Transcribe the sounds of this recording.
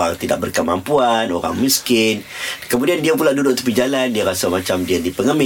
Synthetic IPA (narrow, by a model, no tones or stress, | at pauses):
a̰ŋt̪ida̰ʔ̚bərkəma̰mpuanoɾa̰ŋmiskɪnkəmudiandiapulahdudʊʔt̪u̥pid͡ʒalandiaɾasamat͡ʃamdiadipəŋəmɪ